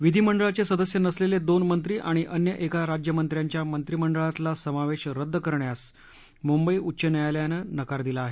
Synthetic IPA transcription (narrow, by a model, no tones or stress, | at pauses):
ʋid̪ʱiːməɳɖəɭat͡ɕesəd̪əsjənəsleled̪onmənt̪ɾiːʔaɽ̃iʔənjəʔekaɾad͡ʑjəmənt̪ɾjaɲt͡ɕjamənt̪ɾiməɳɖəɭat̪lasəmaʋeɕɾəd̪ːkəɾɳjas | mumbəiʔutːɕənəjaljanənəkaɾd̪ilaːɦe